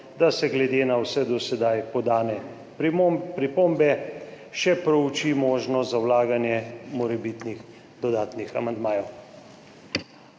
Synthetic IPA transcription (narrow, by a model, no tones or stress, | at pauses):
d̪asɛɡlɛd̪eːnawsɛd̪ɔsɛd̪ajpɔd̪aːnɛ | pɾipombɛ | ʃɛpɾɔut͡ʃimoːʒnɔzawlaːɡanjɛmɔɾɛbit̪nix | d̪̥ɔd̪aːt̪nixamand̪maːjɛw